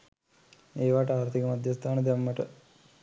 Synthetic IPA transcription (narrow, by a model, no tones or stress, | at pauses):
eːʋaːʈaːɾt̪ʰikɐmɐd̪ʱjɐst̪ʰaːnɐd̪jɐmːɐʈɐ